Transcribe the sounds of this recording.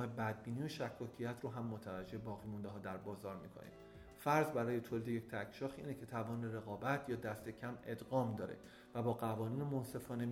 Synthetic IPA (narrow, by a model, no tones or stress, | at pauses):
hebæd̪̚biːnioʃækʰːɒːcʰijæt̪ʰɾoːɦæmːot̪ʰævæd͡ʒːe̞ebɒːɣiːmund̪eɦɒːd̪æɾbɒːzɒːɾmḭːkʰo̰nḭm | fæɾzbæɾɒːje̞t̪ʰoːlid̪eje̞c̚t̪ʰækʰʃɒːxʔḭːnecʰe̞t̪ʰævɒːneɾe̞ɣɒːbæt̪ʰjɒːd̪æst̪e̞cʰæme̞d̪ɢɒːmd̪ɒːɾḛ | væbɒːɣævɒːniːnemonse̞fɒːne̞